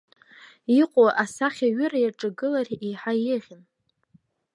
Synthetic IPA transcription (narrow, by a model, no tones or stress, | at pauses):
iqʷʼoʔasaχʲaɥʏɾajaʈ͡ʂʼaɡɨlarijħajɪʁʲɪn